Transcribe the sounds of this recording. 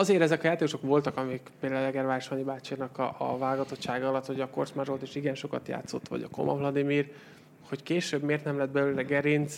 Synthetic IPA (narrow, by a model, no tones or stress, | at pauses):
ɒzeːɾɛzɛkɒjaːt̪eːkoʃo̞kʋo̞lt̪ɒkɒmikpeːd̪aːllɛɡɛrvaːɾʃoɲibaːt͡ʃinɒkɒɒ̰vaːlɡɒt̪o̞t̪ʃaːɡɒɒlɒt̪ho̞ɟɒko̞rt͡ʃmaːʒo̞lt̪eːʃiɡɛnʃo̞kɒt̪ja̰ːt̪so̞̰t̪ːʋɒ̰ɟɒ̰ko̞̰mʔɒ̰vlɒd̪imiːr | ho̞ckeːʃøːbmeːrt̪nɛmlɛd̪̚bɛlyːlɛɡɛɾint̪s